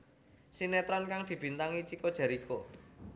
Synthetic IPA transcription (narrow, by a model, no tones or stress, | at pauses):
sinɛt̪ɾɔnkaŋd̪̥i̤b̥i̤nt̪aŋit͡ʃikod̥ʒ̥a̤ɾikʰo